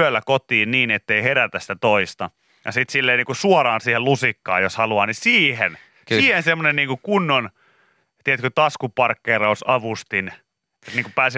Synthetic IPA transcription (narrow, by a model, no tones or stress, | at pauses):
ølːækot̪iːnniːnet̪ːeiheɾæt̪æsi̥t̪æt̪oist̪ɑ | jɑ̰sit̪silːeːniːkusuorɑːnsiːhelusikːɑ̰ːjoshɑluɑːnisiːhen | siːhensemːonenniːŋkukunːon | t̪iet̪køt̪ɑskupɑrkːeːrɑusɑʋust̪in | t̪niːŋkupæːsi